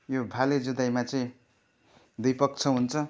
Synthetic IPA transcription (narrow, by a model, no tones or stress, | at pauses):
jobʱaled͡zud̪ajmat͡sʌĩ | d̪ujpʌkt͡sʰʌɦunt͡sʰʌ